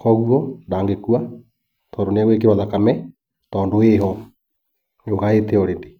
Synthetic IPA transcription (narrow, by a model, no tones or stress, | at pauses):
kɔɣuɔndaːŋɡekua | tɔːndoneaɣwekeβaðakamɛ | tɔːndoeɦɔ | ɲoɣaeteɔɾende